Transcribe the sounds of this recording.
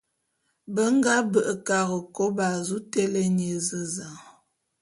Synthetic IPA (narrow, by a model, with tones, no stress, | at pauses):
bə˦ŋ˦ɡa˦bə˨ʔə˨ka˨ɣə˨ko˦ba˨zu˦tɛ˦le˦njə˨zə˦za˨ŋ